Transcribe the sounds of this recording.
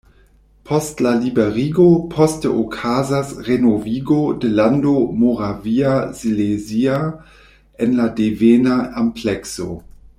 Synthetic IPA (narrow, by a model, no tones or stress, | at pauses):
pʰɔstlalibeɾiɡopʰɔstəʔokʰazasʁenoviːɡodelandomoʁaviazilezia | enladevenaamplɛkso̰